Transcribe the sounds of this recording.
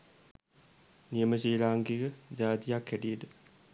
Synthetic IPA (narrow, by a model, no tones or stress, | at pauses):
nijəməɕiːlaːŋɡiɡəd͡ʒaːt̪ijakhæʈijəʈə